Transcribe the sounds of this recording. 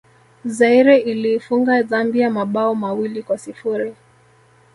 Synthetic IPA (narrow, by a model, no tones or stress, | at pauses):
zaiɾɛʔiliːfuŋɡazambijamaɓaɔmawilikwasifuɾi